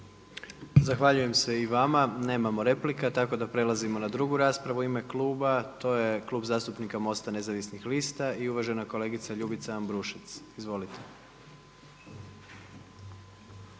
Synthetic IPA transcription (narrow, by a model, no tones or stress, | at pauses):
zaxʋaʎuje̞mse̞iʋamane̞ːmamo̞ɾe̞plikat̪ako̞d̪apɾe̞lˠazimo̞nad̪ɾuɡuɾaːspɾaʋuime̞klˠuːbat̪o̞je̞klˠuːbzaːst̪upnikamo̞st̪ane̞zaʋisnixliːst̪aiuʋaʒe̞nako̞le̞ːɡit̪saʎubit̪saambɾuʃit̪sizʋo̞lit̪e̥